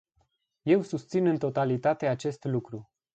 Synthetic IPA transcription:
je̞wsust̪sinɨnt̪o̞t̪alit̪at̪e̞at͡ʃe̞st̪lukɾu

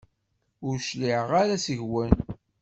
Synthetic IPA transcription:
ʊɾʃliʕʁaɾæsəʝwən

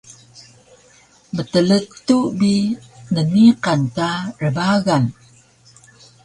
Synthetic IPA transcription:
mətələtːubinəniqantarəbaɣan

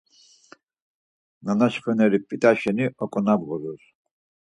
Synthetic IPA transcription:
nanaʃχɛnɛɾipʼit̪ʼaʃɛniʔɔkʼɔnabʁɔɾuɾ

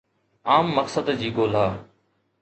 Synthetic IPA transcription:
aːmːəksəd̪d͡ʑiːɡoːl̤aː

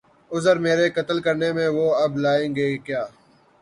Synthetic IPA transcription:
ʊzəɾmeːɾeːkət̪əlkəɾnemẽːʋoːɐblaːẽːŋɡeːkjaː

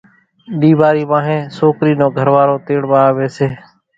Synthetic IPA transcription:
ɗiːʋaːɾiːʋãːɦẽːsoːkɾiːnõːɡʱəɾʋaːɾoːt̪eːɽʋaːʋeːseː

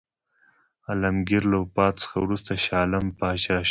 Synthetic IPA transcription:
alamɡiɾlaʊpɑt̪t͡sə̥xawɾust̪aʃɑːlampɑːʃɑʃ

